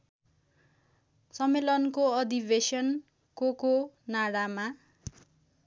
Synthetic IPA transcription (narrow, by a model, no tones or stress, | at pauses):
sʌmːelʌnkoʌd̪ibesʌn | kokonaɽama